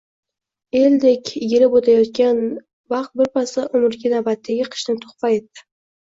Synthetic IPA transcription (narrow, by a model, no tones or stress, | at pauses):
e̞ld̪ekʲjʲeɾɪpot̪ʰajɒt̪kʲan | vɑχt̪̚bɪɾpʰasaʔʊmʊɾɡʲɪnabat̪ːaɡʲɪqʰɨ̥ʃnɪt̪ʰo̥χpaje̞t̪ːɪ̥